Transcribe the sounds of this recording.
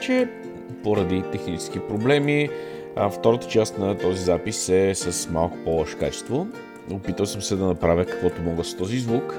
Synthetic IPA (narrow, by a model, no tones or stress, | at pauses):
t͡ʃɛ | poɾɐd̪it̪ɛxnit͡ʃɛ̥skipɾoblɛmi | ft̪ɔɾət̪ə̥t͡ʃast̪nɐt̪ɔzizapisɛsəsmalˠkʊ̥pɔlˠɔʃka̰t͡ʃɛ̥st̪vo | opit̪əlˠsəmsɛd̪ɐnɐpɾavʲjəkə̥kvɔt̪omɔɡəst̪ɔzizvuk